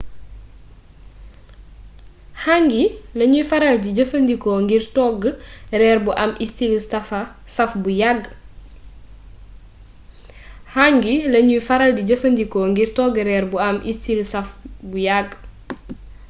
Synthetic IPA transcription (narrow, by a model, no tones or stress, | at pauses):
haŋɡilɐɲujfɐɾɐldiɟəfɐndikɔŋɡiɾtɔɡrɛːɾbuʔɐmistilsɐ | sɐfbujaɡ | haŋɡilɐɲujfɐɾɐldiɟəfɐndikɔŋɡirtɔɡɾɛːɾbuɐmʔḭstilsɐfbujaɡ